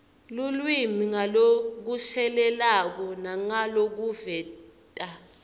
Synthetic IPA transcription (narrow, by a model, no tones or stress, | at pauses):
lulwimiŋalok̬usɛlɛlak̬ɔnaŋalok̬uvɛː | tʼa